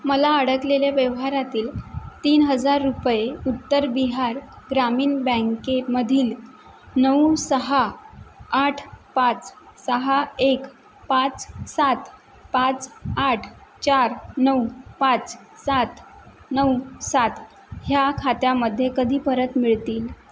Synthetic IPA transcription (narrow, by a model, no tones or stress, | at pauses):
məlaəɽəkleljaʋjəʋɦaɾat̪iːlt̪iːnɦəd͡zaɾːupjeut̪ːəɾbiɦaɾ | ɡɾamiːnbə̃ŋkeməd̪ʱiːl | nəwsəɦaː | ʈʰpat͡ssəɦaek | pat͡ssat̪ | pat͡saʈʰt͡ɕaɾnəwpãt͡s | sat̪ | nəwsat̪ | ɦjakʰat̪jaməd̪ʱːjekəd̪ʱiːpəɾət̪miɭt̪iːl